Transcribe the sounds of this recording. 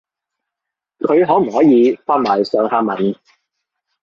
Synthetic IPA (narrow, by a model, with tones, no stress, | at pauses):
kʰɵ˨˧ɥɦɔː˨˥m̩˨˩hɔː˨˥jiː˨˧faː˧˥n̚maː˨˩jsœː˨˧ŋhaː˧mɐ˨˩n